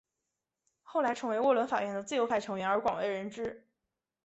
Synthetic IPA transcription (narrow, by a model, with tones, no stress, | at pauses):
xo˥˩ʊla˧˥ɪʈ͡ʂʰɤ˧˥ŋwe˧˥ɪwɔ˥˩lwə˧˥nfa̰˨˩ɥɛ˥˩nd̪ə˦t͡sɹ̩˥˩jo˧˥ʊpʰa˥˩ɪʈ͡ʂʰɤ˧˥ŋɥɛ˧˥nə˞˧˥kwɑ˨˩ŋwe˥ɪɻə˧˥nʈ͡ʂɻ̩˥